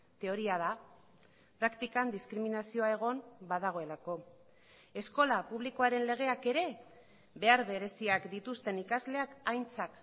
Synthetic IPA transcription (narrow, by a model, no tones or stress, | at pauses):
t̪e̞o̞ɾiað̞a | pɾakt̪ikand̪iskɾiminasio̞ae̞ɣ̞o̞mbaðaɣo̞e̞lako̞ | e̞sko̞lapuβ̞liko̞aɾe̞nle̞ɣ̞e̞ake̞ɾe̞ | βe̞aɾβe̞ɾe̞siakd̪it̪ust̪e̞nikazle̞akajnt͡sak